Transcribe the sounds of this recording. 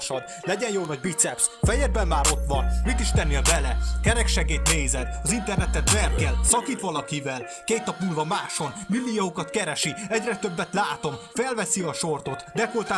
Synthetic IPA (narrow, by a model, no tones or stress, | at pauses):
ʃɒd̪ | lɛɟɛnjoːnɒɟbit̪sɛpsfɛjɛd̪̚bɛnmaːɾo̞t̪ʋɒnmit̪iʃt̪ɛnːiɒbɛlɛkɛɾɛkʃɛɡeːt̪neːzɛd̪ɒzint̪ɛrnɛt̪ɛt̪vɛrkɛlsɒkiːt̪ʋɒlɒkivɛl | keːt̪nɒpnuːlvɒmaːʃo̞nmilːijoukɒt̪kɛɾɛʃiɛɟrɛt̪ø̞bːɛt̪laːt̪o̞mfɛlvɛsiɒʃo̞rt̪o̞t̪d̪ɛkolt̪aː